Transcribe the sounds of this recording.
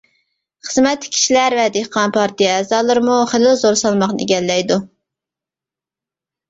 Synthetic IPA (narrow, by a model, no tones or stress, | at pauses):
χəzmɛt̪ːkʲʰi̥ʃilæɾvɛd̪eqɑnpʰɑɾt̪ijɛɛːzɑːlˠɨɾɨmuχelɪlzoɾsɑlˠmɑχnɨḛɡʲɛlːɛjd̪u